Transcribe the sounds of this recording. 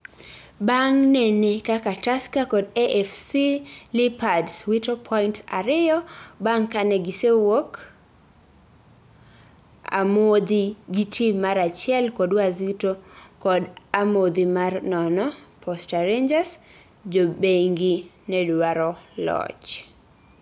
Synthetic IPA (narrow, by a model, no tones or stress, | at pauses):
baŋnɛnekakataskakɔdeʔɛfsilɪpadswitopʰɔɪntaɾɪjɔbaŋkanɛɡisewok | a̰mod̪iɡitʰimaɾat͡ʃɪɛlkɔdwazitokɔdamod̪imarnɔnɔpʰɔstaɾeɲd͡ʒas | d͡ʒobeŋɡi | nɛdwaɾɔlɔ̰t͡ʃ